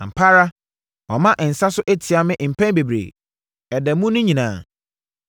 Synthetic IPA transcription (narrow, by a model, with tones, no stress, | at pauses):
m̩˨pʰa˦ɾa˦ | ɔ˨mã˦ʔn̩˨sa˦sʊ˦ʔæ˦tʰi˨a˨mɪ̃˦ʔm̩˨pʰæ̃˦nbe˨bɾḛː˨ | ɛ˨dɛ˨mũ˦nʊ̃˦ɲĩ˨nãː˨